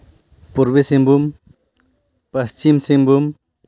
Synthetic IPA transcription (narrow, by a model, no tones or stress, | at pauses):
puɾbesembum | pɐst͡ʃimsembum